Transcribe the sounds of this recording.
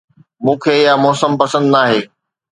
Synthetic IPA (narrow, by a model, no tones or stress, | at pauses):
mũːkʰeːjamɔːsəmpɐsə̃nd̪naːɦeː